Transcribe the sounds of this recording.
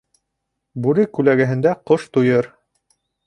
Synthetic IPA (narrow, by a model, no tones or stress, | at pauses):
bʉɾɘkʉlæɡɘ̆ɦɘ̆nd̪æqoʃt̪ujɤɾ